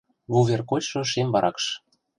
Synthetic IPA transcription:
βuβʲerkot͡ɕʃɤ̆ʃembɑɾʔɑ̰kʃ

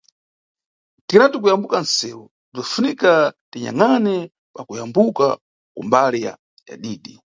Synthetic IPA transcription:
tiɾatuk̬ujambukansɛːwu | d͡zafunikatiɲa̰ŋanɛ | pakujambuka̰ | kumbalija̰ | ja̰ɗiːɗi

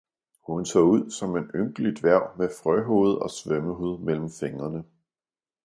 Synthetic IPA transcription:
hunsʰɔ̰ːuð̞̰ˠsɒ̽me̝nøŋɡ̥lid̥ʋæɐʊ̰mefʁœɦo̝̰ːð̞̩ˠɒ̽sʋœməɦuð̞̰ˠmel̰m̩feŋɐnə

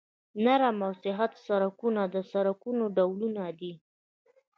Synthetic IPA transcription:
naɾamawsɪɦat̪saɾakunad̪əsaɾakunoɖawlunad̪i

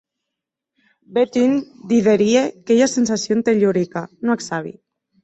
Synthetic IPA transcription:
bet̪ind̪iðeɾiekeʎasensasjont̪eʎoɾikanoeksaβ̞ḭ

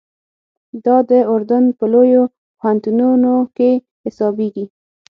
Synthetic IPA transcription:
d̪ɑd̪əʊɾd̪anpəlojo | phant̪ununoke | hɪsɑbeɡi

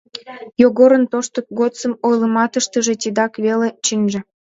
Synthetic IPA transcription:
joɣoɾə̆nt̪oʃt̪ək̚ɡot͡səmojləmɑt̪əʃt̪əʒĕt̪ʲid̪ɑkβelet͡ɕinʲʒĕ

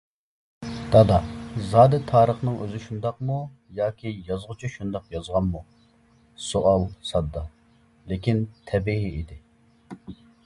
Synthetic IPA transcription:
d̪̥ɑd̪ɑzɑːd̪ɛt̪ʰɑːɾəχnɨŋʔøzɪʃund̪ɑqmu | jɑːkʲʰijɑzʁʊt͡ʃʰiʃund̪ɑqjɑzʁɑnmu | soʔɑlˠsɑd̪ːɑ | lekʲint̪ʰɛbiɦiid̪ɪ

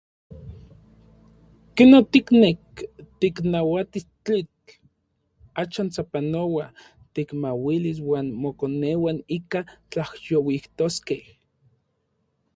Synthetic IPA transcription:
kenot̪iknek̚t̪iknawat̪ist͡ɬit͡ɬ | aʃant͡sapanowa | t̪ikmawiliswaːnmokonewanikat͡ɬahjowiht̪oskeh

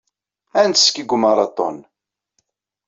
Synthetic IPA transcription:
ænskəɡʷːmɑɾˤɑt̪ˤɔ̰n

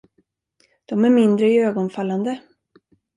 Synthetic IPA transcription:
d̪̥ɔmæɾmɪnd̪ɾəɪøːɡɔnfalːand̪ə

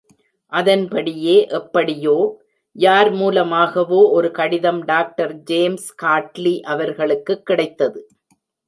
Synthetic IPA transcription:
ʔɐðɐnpɐɽɪjeːʔɛpːɐɽɪjoː | jaːɾmuːlɐmaːɣɐʋoːʔɔɾɯkɐɽɪðɐmɖaːk̚ʈɐɾd͡ʒeːmskaːʈliʔɐʋɐɾɣɐɭɯkːɯkːɪɽɐɪt̪ːɐðɯ

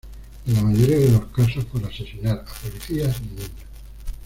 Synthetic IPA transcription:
enlamaʝoɾiaðelo̞skasospoɾase̞sinaɾapoliθiasninina

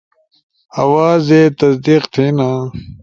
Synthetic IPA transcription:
ɐwaːzet̪ɐsd̪iːqt̪ʰinaː

